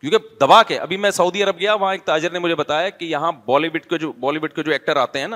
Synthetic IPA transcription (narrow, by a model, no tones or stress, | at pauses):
kjõːked̪ɐbaːkeʔɐbʱimɛ̃sɐuːd̪iɐɾəb̚ɡɐjaʋɐɦãek̚t̪aːd͡ʒəɾnemʊd͡ʒʱebɐt̪aːjakijɐɦãbɔːliʋɪʈked͡ʒobɔːliʋɪʈ̚ked͡ʒoːɛːk̚ʈəɾaːt̪eɦɛ̃ːna